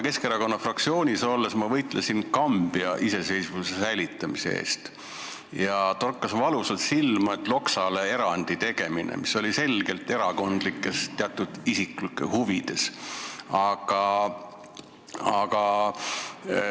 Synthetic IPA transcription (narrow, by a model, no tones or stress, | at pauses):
ke̞skeɾɑko̞nːɑfrɑk̚tsio̞ːnʲiso̞lːesmɑvɤjt̪ˑlesinkɑmb̥iɑʔise̞se̞jsvusesæjlit̪ːˑɑmisḛḛːst̪ | jɑt̪orkˑːɑsvɑluselt̪silmɑet̪ːˑlo̞ksɑle̞e̞ɾɑnd̪̥it̪e̞ɡ̥e̞minʔḛmiso̞lʲise̞lɡ̥e̞lt̪ˑe̞ɾɑko̞nd̪̥likːˑe̞st̪eɑt̪ːˑud̪̥isiklikːˑehuvid̪̥e̞s | ɑɡ̥ɑ | ɑɡ̥ɑ